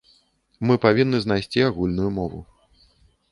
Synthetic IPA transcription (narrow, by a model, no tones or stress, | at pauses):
mɨpavʲinːɨzn̪ajsʲt͡sʲiaɣulʲnujumɔvṵ